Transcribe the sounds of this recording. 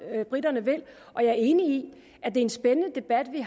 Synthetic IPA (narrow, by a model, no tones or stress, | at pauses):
b̥ʁid̥ɐnəʋel̰ | ʔɒ̽jɑ̈æɐe̝ːnii | ʔæd̥e̝ɐe̝nsb̥enən̩əd̥e̝b̥æd̥ʋi